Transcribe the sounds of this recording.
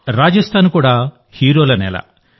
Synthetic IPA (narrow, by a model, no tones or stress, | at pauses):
ɾaːd͡ʒɐst̪ʰaːnukuːɽaː | hiːɾolɐnɛ̰lɐ̰